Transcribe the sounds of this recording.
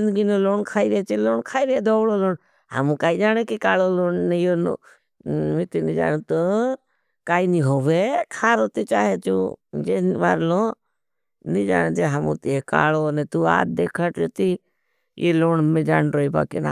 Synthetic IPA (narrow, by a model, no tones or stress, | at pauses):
d͡ʒɪnd̪ɡinoloːnkʰaːiɾet͡ʃiloːɳkʰaːiɾed̪oːloloːɳ | hə̰mũkaːid͡ʒaːnekikaːloloːnnejon̰ | mɪt̪inid͡ʒa̰ːnũt̪ə | kaːinĩɦoːʋekʰaːɾot̪it͡ʃaːɦet͡ʃṵd͡ʒenʋa̰ːɾlõ | nid͡ʒa̰ːnd͡ʒ̪eɦəmṵ̃t̪ːeka̰ːlonɛt̪ua̰ːd̪d̪eːkʰəʈot̪i | jeloːɳmẽd͡ʒa̰ːnɾoːiba̰ːkina̰ː